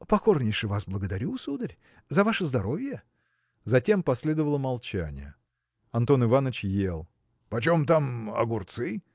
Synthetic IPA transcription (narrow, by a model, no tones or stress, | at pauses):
pɐko̞rnʲɪjʂɨvasblˠəɡəd̪ɐɾʲusud̪əɾʲ | zɐvaʂəzd̪ɐɾo̞vʲɪjə | zɐtʲe̞mpɐsʲlʲe̞d̪əvəlˠəmɐlˠt͡ɕæ̰nʲɪ̰jə̰ | ɐnt̪o̞nɨvanət͡ɕjelˠ | pɐt͡ɕo̞mt̪amɐ̰ɡʊrt̪sɨ